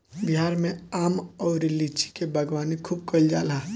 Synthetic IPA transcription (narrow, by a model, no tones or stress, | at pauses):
bɦaːɾmẽaːmɔːɾɪlit͡ʃi̥kebʱɐɡʋaːnikʰuːb̚kɐld͡ʒaːlaː